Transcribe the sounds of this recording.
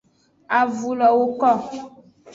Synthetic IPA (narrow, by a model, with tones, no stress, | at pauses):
a˨vu˨lɔ˨wo˦kɔ˦˨